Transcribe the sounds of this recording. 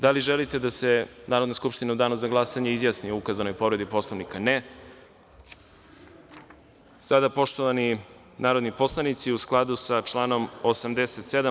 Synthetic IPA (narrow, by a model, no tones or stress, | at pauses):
d̪aliʒelit̪e̞d̪asenaːɾod̪naskupʃt̪inaud̪aːnuzaɡlˠasaɲeizjaːsnioukazano̞jpo̞vɾe̞d̪ipo̞slˠoʋnikane | sad̪apo̞ʃt̪o̞ʋani | naːɾo̞d̪nipo̞slˠanit̪siusklˠad̪usat͡ʃlˠaːno̞mosamd̪eset̪sed̪a